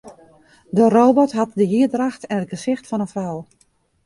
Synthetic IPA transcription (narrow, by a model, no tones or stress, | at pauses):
dəroːbɔtɦɑtdəjiədraxtɛnət̚ɡəsɪxtfɑnənfrɔw